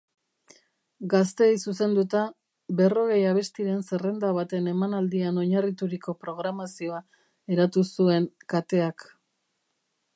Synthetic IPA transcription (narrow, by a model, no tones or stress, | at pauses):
ɡas̬t̪e̞jsuse̞nd̪ut̪a | be̞ro̞ɣe̞jaβe̞st̪iɾe̞nsere̞nd̪aβ̞at̪e̞ne̞manald̪iano̞ɲarit̪uɾiko̞pɾo̞ɣ̞ɾamasio̞a | e̞ɾat̪usue̞ŋkat̪e̞ak